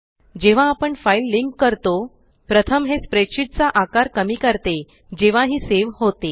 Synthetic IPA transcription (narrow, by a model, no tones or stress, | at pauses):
d͡ʑeʋ̤ãːpəɳfailːiŋkːəɾt̪o | pɾət̪ʰəmɦespɾeɕiʈ̪̚t͡saʔakaɾkəmiːkəɾt̪e | d͡ʑeʋ̤aɦiːseʋɦot̪e